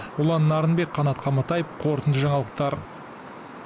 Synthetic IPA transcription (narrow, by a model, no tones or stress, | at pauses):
ʊlˠɑnːɑɾənbe̞kqʰɑnɑt̪qʰɑmɑt̪ɑjəpqʰo̞ɾt̪ənd̪əʒɑɴɑlˠəq̚t̪ɑɾ